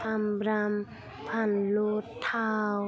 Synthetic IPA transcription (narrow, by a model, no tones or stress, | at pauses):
ambɾam | pʰanlot̪ʰːaw